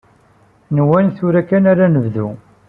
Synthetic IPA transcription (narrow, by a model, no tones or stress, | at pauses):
nwænθʊɾækːænaɾanəvðu